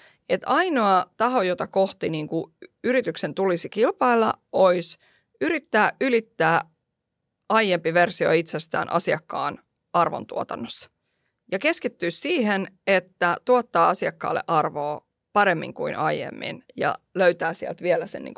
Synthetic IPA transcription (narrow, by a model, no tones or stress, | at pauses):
et̪ɑinoɑt̪ɑhojot̪ɑkoht̪iniːŋkuyɾit̪yksent̪ulisikilpɑilːɑ̰ʔois | yɾit̪ːæːylit̪ːæː | ɑijempiʋersio̰it̪sest̪æ̰ːnʔɑ̰siɑkːɑ̰ːn | ɑrʋo̰nt̪uo̰t̪ɑnːosːɑ̥ | jɑkeskit̪ːyːssiːhenet̪ːæt̪uɑt̪ːɑːɑsiɑkːɑ̰ːlːḛʔɑrʋoː | pɑɾemːḭŋkuinʔɑijḛmːḭnjɑ̰løyɥt̪æːsiæ̰lt̪ʋielæsḛnːḭːŋk